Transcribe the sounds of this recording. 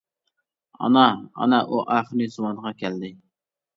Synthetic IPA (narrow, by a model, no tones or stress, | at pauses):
ɑ̰nɑɑ̰nɑʔuʔɑχɾnɪzuwɑnʁɑkʲʰɛld̪ɪ